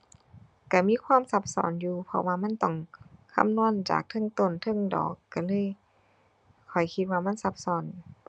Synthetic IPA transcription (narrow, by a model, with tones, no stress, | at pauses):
ka˧˩miː˧˥˨kʰwaː˧˥˨msa˧˥p̚sɔ̰ː˨˦njuː˧pʰɔ̰˧waː˧ma˧˥˨nt̪ɔ˧˩ŋkʰa̰˧˥˨mnu˧˥˨ənt͡ɕa̰ː˨˩k̚t̪ʰɤ˧˥˨ŋt̪o˧˩˨nt̪ʰɤ˧˥˨ŋdɔ̰ː˨˦kːa˧˩lɤː˧˥˨j | kʰɔ˨˩jkʰi˧t̪̚waː˧ma˧˥˨nsa˧p̚sɔː˨˦n